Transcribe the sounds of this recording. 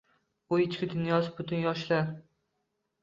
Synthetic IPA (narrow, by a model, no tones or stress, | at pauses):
ʊɪt͡ʃkʲɪd̪ʊnjɒsɪbʊt̪ʰʊnjɒʃlaɾ